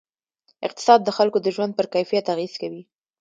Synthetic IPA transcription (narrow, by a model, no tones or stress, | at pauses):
ɪq̚t̪ɪ̥sɑd̪̚ːəxalkod̪əʒwand̪̚pəɾkajfijat̪aɣiz̥kawi